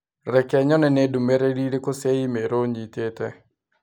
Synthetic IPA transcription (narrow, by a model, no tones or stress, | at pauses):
rɛkɛɲɔnɛnedumeɾediɾekoseimeɾoɲit̪etɛ